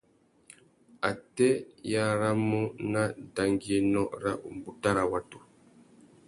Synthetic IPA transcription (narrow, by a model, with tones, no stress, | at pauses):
a˨tɛ˦ja˦ɾa˦mu˦na˦da˨ŋɡi˦e˦nɔ˦ɾa˦u˨mbu˨ta˦ɾa˨wa˨tu̥˨